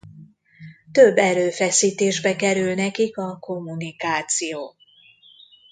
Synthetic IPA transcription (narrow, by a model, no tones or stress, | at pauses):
t̪ø̞bːɛɾøːfɛsiːt̪eːʒbɛkɛɾylnɛkikɒko̞mːunikaːt̪sijoː